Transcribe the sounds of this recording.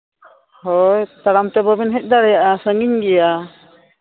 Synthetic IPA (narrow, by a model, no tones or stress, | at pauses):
hɔjt̪aɽamt̪ɛbɔbinɦɛc̚ˀd̪aɽɛjaʔasəŋiɲɡɛja